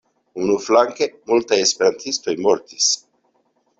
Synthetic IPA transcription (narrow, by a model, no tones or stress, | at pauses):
unuflaŋke̞multaje̞spe̞ɾantisto̞jmo̞ɾtis